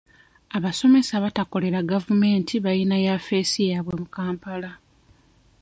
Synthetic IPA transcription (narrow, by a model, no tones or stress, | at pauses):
aβaso̞me̞saβatako̞le̞ɾaɡavume̞ːntʰiβajinajafe̞ːsijaβwemukaːmpala